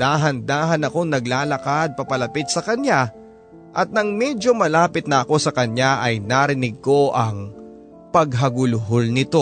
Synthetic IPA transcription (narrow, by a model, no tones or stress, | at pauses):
d̪aːɦɐnd̪aːɦɐnɐko̞ŋnɐɡlaːlɐkad̪̚pɐpɐlɐpɪt̪̚sɐkɐɲja | ʔɐt̪̚nɐŋmɛd͡ʒo̞mɐlaːpɪt̪̚nɐʔɐko̞sɐkɐɲaʔɐjnaːɾɪnɪɡ̚ko̞ʔɐŋ | pɐɡɦɐɡʊlʊɦolnɪt̪o̞